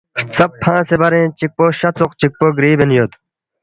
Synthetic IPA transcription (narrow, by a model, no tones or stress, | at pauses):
ʂt͡sɐppʰːãːsebɐɾẽːt͡ɕik̚poɕɐt͡sʰuq̚t͡ɕik̚poɡɾiːbenjod̪